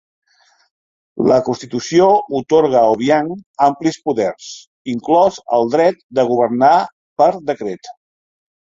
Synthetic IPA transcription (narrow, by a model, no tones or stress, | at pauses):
ləkunst̪it̪usiout̪oɾɣəːlβjaŋamplispuðɛrs | iŋklɔzə̰lˠd̪ɾɛt̪̚d̪əɣ̞uβərna | pəɾd̪əkɾet̪